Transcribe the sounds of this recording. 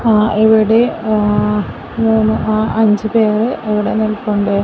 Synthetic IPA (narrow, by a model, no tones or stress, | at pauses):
ʔiʋiɽe | muːnːɨʔaːʔɐɲd͡ʑɨpeːrɨʔeʋiɽe̞nilkuɳɖɨ